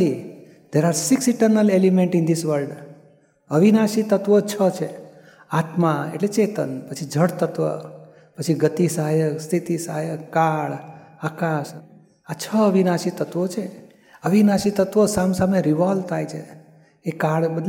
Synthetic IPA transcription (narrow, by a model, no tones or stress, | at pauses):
i | d̪̥eɾaɾsiksiʈəɾnəlelimeɳʈɪ̃nd̪isʋəɾlɖ | əʋinaʃit̪ət̪ʋət͡ʃʰət͡ʃʰe | at̪mãḛʈlet͡ʃet̪ənpət͡ʃʰid͡ʒʱəɽt̪ət̪ʋə̰ | pət͡ʃʰiɡət̪isəɦajəkst̪ʰit̪isaɦajəkːaɭakaʃ | at͡ʃʰəəʋinaʃit̪ət̪ʋot͡ʃʰe | əʋinaʃit̪ət̪ʋəsamsameɾiʋalt̪ʰajt͡ʃʰḛː | kaɭbəd̪l